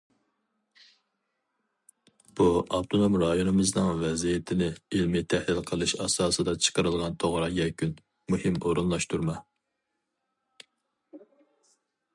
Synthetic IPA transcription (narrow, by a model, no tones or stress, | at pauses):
b̥uɑpt̪ʰonomɾɑjonɨmɨznɨŋvɛzijɪt̪ʰɪnɪilmɪt̪ʰɛhlɪlqʰəlˠɨʃɑsɑːsɨd̪ɑt͡ʃʰə̥qəɾɨlˠʁɑnt̪ʰoʁɾɑjɛkʲʰyn | muhɪmoɾunlˠɑʃt̪ʰuɾmɑ